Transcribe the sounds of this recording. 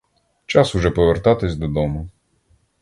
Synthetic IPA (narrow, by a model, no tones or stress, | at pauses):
t͡ʃɑsʊʒɛpɔʋert̪ɑt̪ɪsʲd̪ɔd̪ɔmʊ